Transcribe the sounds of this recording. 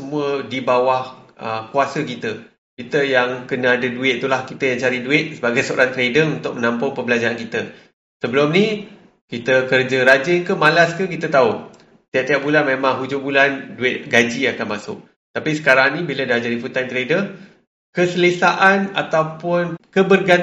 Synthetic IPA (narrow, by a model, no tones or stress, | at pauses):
səmũədibawahʔəkuasəkit̪ə | kit̪əjaŋkənãadəduɪt̪̚t̪ulahkit̪əjaŋt͡ʃaɾiduɪt̪̚səbaɡajsəo̰ɾʔant̪ɾedəunt̪ʊk̚mənãmpʊŋpəmbəlad͡ʒaankit̪ə | səbəlʊmni | kit̪əkərd͡ʒəɾad͡ʒɪnkəmalaskəkit̪ət̪au | t̪iaʔ̚t̪ijap̚bulanmemãŋɦud͡ʒubulanduɪt̪̚ɡad͡ʒiakanmasʊ̰k̚ | t̪apisə̥kaɾaŋnĩbilədahd͡ʒadiput̪ant̪ɾedə | kəsələsaʔana̰t̪awpʊnkəbərɡa